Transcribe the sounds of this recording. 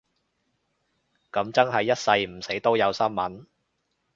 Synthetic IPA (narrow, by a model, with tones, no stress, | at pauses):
kɐ˨˥mt͡sɐ˥ŋɦɐ˨jːɐ˥t̚sɐ˧jm̩˨˩se˨˥jt̪o˥wjɐ˨˧wsɐ˥nmɐ˨˥n